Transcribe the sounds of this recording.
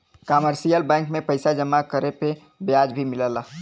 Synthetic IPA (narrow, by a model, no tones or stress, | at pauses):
kaməɾsijəlbɛ̃ŋkmepəɪsad͡ʒəmːakəɾepe | bjad͡ʒbʱimiləla